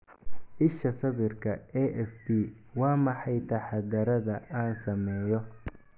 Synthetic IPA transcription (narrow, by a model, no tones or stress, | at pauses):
ʔɪʃɐsɐβɪrkʰɐɛʔɛfd̪iː | wɑːmɑħɑjt̪ʰɐħɑd̪ɐɾɐðɐʔaːnsɐmɛːjɔ